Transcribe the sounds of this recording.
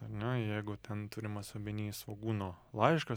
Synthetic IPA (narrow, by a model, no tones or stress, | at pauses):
ɐɾnʲɛjɛɪɡʊt̪ʲɛnt̪ʊɾʲɪmɐsobʲɪnʲiːsʋoɡuːnoːlˠɑɪʃkɐ